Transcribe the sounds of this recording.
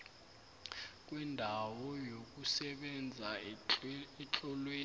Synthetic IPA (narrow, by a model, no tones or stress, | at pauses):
k̬ʼwɛndʱawɔjok̬ʼusɛɓɛnd͡zʱa | ɛt͡ɬʼɔlweː